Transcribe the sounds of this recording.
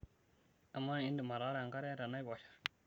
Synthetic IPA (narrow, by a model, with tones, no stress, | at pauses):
a˨mːa˦i˦ndi˨ma˨ɾa˦ɾa˨a˨ŋka˦ɾe˦ɾa˨na˦jba˨ʃḁ˦